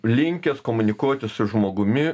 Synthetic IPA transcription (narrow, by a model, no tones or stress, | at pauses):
lʲɪŋʲkʲɛskoːmʊnʲɪkuɔt̪ʲɪsʊʒmoːɡʊmʲɪ